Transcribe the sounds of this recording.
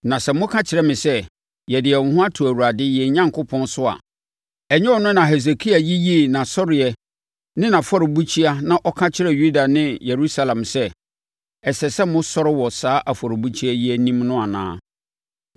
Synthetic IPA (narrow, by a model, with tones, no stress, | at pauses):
nã˨sɛ˨mʊ̃˦kʰã˦t͡ɕʰɪ˨ɾɛ˦mɪ̃˨sɛ˦ | jɛ˨dɪ˨ɛ˨ŋ̩ʊ̃˨ɦʊ̃˦a˦tʰu˨æ˨wu˨ɾa˨dɪ˦jɛ˨ɲã˦ŋkʰʊ˦pʰɔ̃˦nsʊ˦a̰˨ | ɛ˨ɲɛ̃˦ɔ˨nʊ̃˦nã˨ɦɛ˨s̬e˨kʰi˦a˨ji˦ji˦˨nã˨sɔ˦ɾɪ˨ɛ˨ | nɪ̃˦nã˨fɔ˦ɾɪ˨bu˦t͡ɕʰi˦a˦nã˦ʔɔ˦kʰã˦t͡ɕʰɪ˦ɾɛ˨ju˦da˨nɪ̃˦je˨ɾu˦sa˦lã˨msɛ˦ | ɛ˨sɛ˨sɛ˦mʊ̃˦sɔ˦ɾɪ˦wɔ˨saː˦ʔa˨fɔ˨ɾɪ˨bu˦t͡ɕʰi˦a˦ji˦æ˦˨nĩ˦mnʊ̃˦a˨nã̰ː˦